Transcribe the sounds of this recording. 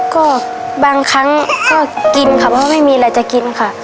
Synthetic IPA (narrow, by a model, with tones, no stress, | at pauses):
kɔː˥˩ | baː˧ŋkʰa˦˥ŋkʰɔː˧˥˩ki˧nkʰa˧˩pʰɔ˧˨ma˥˩jmiː˧lɛː˧˩t͡ɕa˧˩ki˧nkʰa˧˩